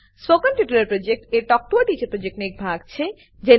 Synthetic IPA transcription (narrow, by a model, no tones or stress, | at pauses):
soɡanʈiʈuɾeɾpɾod͡ʑek̚ʈeɾʈɔk̚ʈoaʈit͡ɕepɾod͡ʑek̚ʈnek̚bʱaɡt͡ɕʰe | d͡ʑe